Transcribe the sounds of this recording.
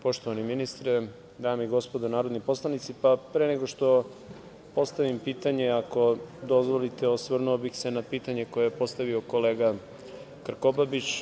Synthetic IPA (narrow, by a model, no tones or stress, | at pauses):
po̞ʃt̪o̞ʋaniminist̪ɾe | d̪aːmeiɡo̞spo̞d̪onaːɾod̪nipo̞slˠanit̪sipapɾeneɡo̞ʃt̪o̞ | po̞st̪aʋimpiːt̪aɲe̞ako̞d̪o̞zʋo̞lit̪eosʋr̩nuobixse̞napiːt̪aɲe̞ko̞jejepo̞st̪aʋio̞ko̞leːɡa | kr̩kobabit͡ɕ